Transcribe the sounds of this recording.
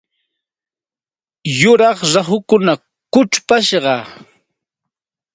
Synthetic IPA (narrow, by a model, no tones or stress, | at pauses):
jʊɾɑχɾaχʊkʊna | kʊt͡ʃpaʃɢɑ